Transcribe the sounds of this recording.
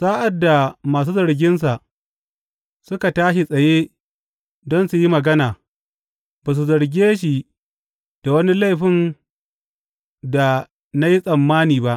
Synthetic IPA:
saː˦ʔa˨dːa˨maː˨s̬uː˦zɐ˨ɾɡʲɪ˦ns̬a˨ʔ | sʊ˦ka˨taː˦ʃi˨sʼɐ˨jeː˦ | dɔ˦nsu˨ji˦mɐ˨ɡɐ˦naː˨ | baː˨s̬u˨zɐ˨ɾɡʲeː˦ʃ̬i˨ | d̥a˨wɐ˦ni˦la˦jɸɪ˦n | da˨ | na˦ji˦sʼɐ˨mːaː˦niː˨ba˦ʔ

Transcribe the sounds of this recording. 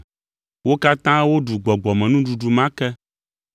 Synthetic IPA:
wo˦ka˦t̪ã˦wo˦ɖu˨ɡ͡bɔ˨ɡ͡bɔ˨mɛ̃˨nũ˦ɖu˨ɖu˨mã˦kɛ˦

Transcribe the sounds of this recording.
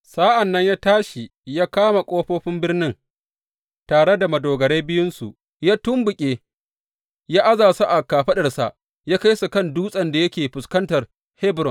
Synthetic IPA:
saː˦ʔa˨nːɐ˦ɲjaː˦taː˦ʃi˨jaː˦kaː˦ma˨kʷʼoː˦ɸoː˦ɸɪ˦mbɪ˦rnɪ˦ŋ | taː˨ɽe˦da˨mɐ˨doː˨ɡɐ˨ɽeː˦bɪ˦jʊ˦nsu˨ | jaː˦tʊ˦mbʊ˨kʲʼeː˦ | jaː˦ʔa˦zaː˨sa˦ʔa˨kaː˨ɸɐ˦ɗɐ˨rsa̰˨ʔ | jaː˦ka˦jsu˨kɐ˦nduː˦sʼɐ˨nda˨jɐ˦kʲeː˨ɸʊ˨skɐ˦ntɐ˨r | hɛ˦bɾɔ˨n

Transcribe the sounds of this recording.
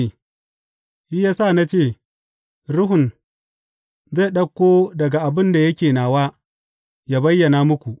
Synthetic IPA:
hi˦jaː˦sa˦˨na˦t͡ʃeː˦˨ | ɾʊ˦ɦʊ˨n | za˦˨ɗɐ˦kʷːoː˦dɐ˨ɡa˨ʔa˨bɪ˦nda˨jɐ˦kʲeː˨naː˨waː˦ | jaː˦bɐ˦jːɐ˨na˨mʊ˦kʷu˨ʔ

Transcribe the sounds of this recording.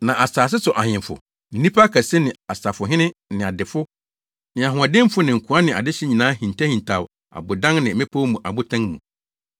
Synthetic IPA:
nã˨ʔa˨saː˨s̬ɪ˦sʊ˨ʔa˨ɲɪ̃˨mfʊ̰˨ | n̩˦nĩ˦pʰa˦kʰa˨sɪ˦nɪ̃˨a˨sa˨fʊ˨ɦɪ̃˦nɪ̃˦nɪ̃˨a˨dɪ˨fʊ˦ | nɪ̃˨a˨ɦʊ̃˨a˨dɪ̃˦m˦fʊ˦nɪ̃˨ŋ̩˨kʰu˨˦a˦nɪ̃˨a̰˨dɪ˦ɕɪ˦ɲĩ˨nãː˦hĩ˨n˨tʰa˦hĩ˨ntʰa˨ | a̰˨bʊ˨dã˦ŋnɪ̃˨˦mɪ̃˦pʰo˦wmũ˨ʔa̰˨bʊ˦tʰã˦ŋmũ˨

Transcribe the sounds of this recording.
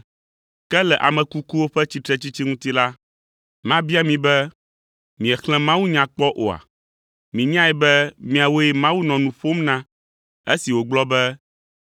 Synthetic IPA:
kɛ˦lɛ˨ʔa̰˨mɛ̃˨ku˦ku˦wo˦ɸɛ˦t͡ɕi˦t̪ɾɛ˦t͡ɕi˦t͡ɕi˦ŋũ˦t̪i˦la˦ | mã˦bi˦a˦mĩ˨bɛ˦ | mĩ˨ɛ˨xlɛ̃˦mã˦wu˦ɲã˨k͡pɔ˦ʔo˨a̰˨ | mĩ˨ɲ˦ã˦ɛ˨bɛ˦mĩ˨a˨wo˦ɛ˦mã˦wu˦nɔ̃˨nũ˨ɸo˦mnã˦ | e˦si˨wo˨ɡ͡blɔ˦bɛ˦

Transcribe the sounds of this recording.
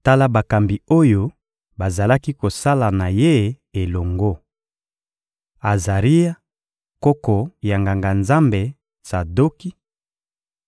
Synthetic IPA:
ta˦la˦ba˨ka˨mbi˨o˦jo˦ | ba˨za˨la˦ki˦ko˨sa˦la˨na˨je˦ | e˨lo˨ŋɡo˦ | a˨za˨ʁi˦ja˦ | ko˦kɔ˨ja˨ŋɡa˨ŋɡa˨nza˦mbe˨ | sa˨do˦ki˦

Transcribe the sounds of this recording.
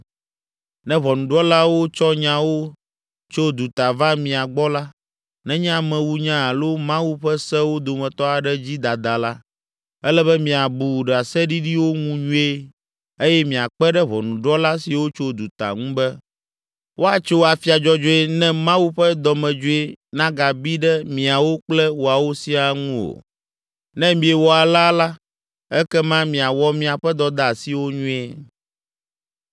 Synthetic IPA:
nɛ̃˦βɔ˨nũ˨ɖɔ˦la˦wo˦t͡ʃɔ˦ɲã˨wo˦ | t͡ʃo˦d̪u˨t̪a˨va˦mĩ˨a˨ɡ͡bɔ˦la˦ | nɛ̃˦ɲ˦ã˦mɛ̃˨wu˦ɲã˦a˨lo˦mã˦wu˦ɸɛ˦sɛ˦wo˦d̪o˨mɛ̃˨t̪ɔ˦a˨ɖɛ˦d͡ʑi˦d̪a˨d̪a˨la˦ | ɛ˦lɛ˦βɛ˦mĩ˨a˨bu˨ɖɛ˨a˨sɛ˦ɖi˦ɖi˦wo˦ŋũ˦ɲũ˦e˦ | e˦jɛ˦mĩ˨a˨k͡pɛ˦ɖɛ˦βɔ˨nũ˨ɖɔ˦la˦si˨wo˦t͡ʃo˦d̪u˨t̪a̰˨ŋũ˦bɛ˦ | wʔo˦a˨t͡ʃo˦a˨fi˦a˨d͡ʒɔ˦d͡ʒo˦e˦nɛ̃˦mã˦wu˦ɸɛ˦d̪ɔ˨mɛ̃˨d͡ʒo˦e˦nã˦ɡa˨bi˦ɖɛ˦mĩ˨a˨wo˦k͡plɛ˦wo˨a˨wo˦si˦a˨ŋũ˦o̰˨ | nɛ̃˦mĩ˨˦e˨wɔ˨a˨la˦la˦ | ɛ˦kɛ˦mã˦mĩ˨a˨wɔ˦mĩ˨a˨ɸɛ˦d̪ɔ˦d̪a˨si˨wo˦ɲũ˦e˦

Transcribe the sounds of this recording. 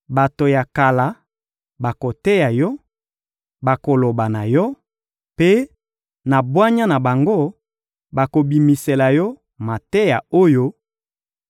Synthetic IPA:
ba˨to˨ja˨ka˨la˨ | ba˨ko˨tɛ˦ja˨jɔ˦ | ba˨ko˨lo˨ba˨na˨jɔ˦ | pe˦ | na˨bwa˦ɲa˦na˨ba˨ŋɡo˦˨ | ba˨ko˨bi˨mi˨se˨la˨jɔ˦ | ma˨tɛ˦ja˨o˦jo˦

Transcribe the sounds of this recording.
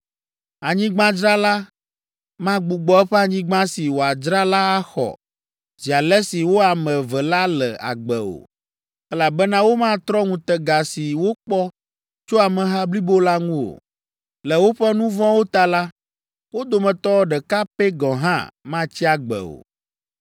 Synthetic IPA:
a˨ɲĩ˦ɡ͡bã˦d͡ʒɾa˦la˦ | mã˦ɡ͡bu˨ɡ͡bɔ˨˦ɛ˦ɸɛ˦a˨ɲĩ˦ɡ͡bã˦si˨wo˨a˨d͡ʒɾa˦la˦a˦xɔ̰˨ | zi˨a˨lɛ˦si˨wo˦a˨mɛ̃˨vɛ˨la˦lɛ̰˨a̰˨ɡ͡bɛ˨o̰˨ | ɛ˦la˨bɛ˦nã˦wo˦mã˦t̪ɾɔ˦ŋũ˨t̪ɛ˨ɡa˨si˨wo˦k͡pɔ˦ | t͡ʃo˦a˨mɛ̃˨ɦã˦bli˦bo˦la˦ŋũ˦o̰˨ | lɛ˨wo˦ɸɛ˦nũ˦vɔ̃˦wo˦t̪a˦la˦ | wo˦d̪o˨mɛ̃˨t̪ɔ˦ɖɛ˨ka˦pɛ˦ɡɔ̃˨ɦã̰˦mã˦t͡ɕi˦a˨ɡ͡bɛ̰˨o̰˨

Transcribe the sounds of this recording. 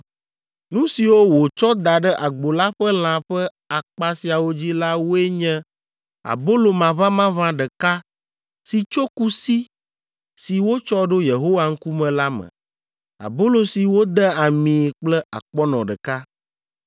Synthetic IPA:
nũ˦si˨wo˦wo˨t͡ʃɔ˦d̪a˨ɖɛ˦ʔa˨ɡ͡bo˨la˦ɸɛ˦l̃ã˨ɸɛ˦ | a˨k͡pa˦si˨a˨wo˦d͡ʑi˦la˦wo˦e˦ɲɛ̃˦ | a̰˨bo˦lo˨mã˨βã˦mã˦vã˦ɖɛ˨ka˦ | si˨t͡ʃo˦ku˦si˦ | si˨wo˦t͡ʃɔ˦ɖo˦je˨ɦo˦wa˨ŋ̩˦ku˦mɛ̃˨la˦mɛ̰̃˨ | a̰˨bo˦lo˨si˨wo˦d̪ɛ˦a˨mĩ˨k͡plɛ˦a̰˨k͡pɔ˦nɔ̃˨ɖə˨ka˦

